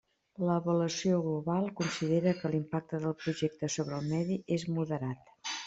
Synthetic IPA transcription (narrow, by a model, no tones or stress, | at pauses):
ləβələsioɣluβalˠkunsiðeɾəkəlimpak̚t̪əðəlˠpɾuʒek̚t̪əsoβɾəːlˠmɛðiʔezmuðəɾat̪